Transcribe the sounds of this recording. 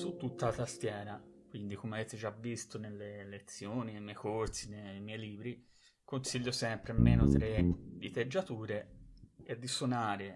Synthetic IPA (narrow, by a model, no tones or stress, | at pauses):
sut̪ːut̪ːalat̪ast̪jɛːɾakwind̪ikomeaveːt̪ed͡ʒavist̪onelːelet̪sːjoːninejmɛjkort̪sinejmɛjliːbɾi | konsiʎːosɛmpɾemːeːno̰t̪ɾed̪it̪ed͡ʒːat̪uːɾeed̪ːisonaːɾe